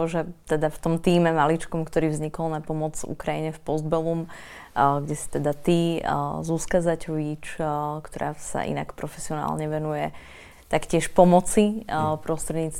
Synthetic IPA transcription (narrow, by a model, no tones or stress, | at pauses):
ɔʒɛt̪ɛd̪aft̪ɔmt̪iːmɛmalit͡ʃkɔmkt̪ɔɾiːvzɲikɔlnapɔmɔd͡zṵkɾajiɲɛfpɔzd̪bɛlum | ɡɟɛsi̥t̪ɛd̪at̪izuskazacɔʋit͡ʃkt̪ɔɾa̰ːsa̰ʔḭna̰kpɾɔfɛ̥siɔna̰ːlɲɛʋɛnujɛ | t̪akcɪɛʃpɔmɔt͡sipɾɔst̪ɾɛd̪ɲiːt͡s